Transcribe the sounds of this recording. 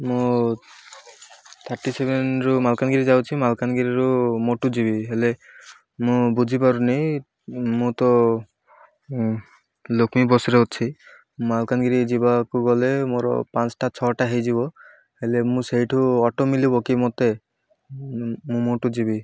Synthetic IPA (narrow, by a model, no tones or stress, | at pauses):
mʊ | t̪ʰaʈisebenɹɔmalkanɡiɾizawt͡ʃʰimalkanɡiɾiɹɔmɔʈuzibiɦele | mʊ̃buipaɹunej | mut̪ɔ | lokʰmibɔsɾeott͡ʃʰi | malkanɡiɾizibakuɡɔlɛmɔɾɔ̰pansʈat͡ʃʰɔʈaɦejziβɔ | helemʊ̃seɦiʈʰuɔʈɔmilibɔkimɔt̪e | mũmɔʈuzibi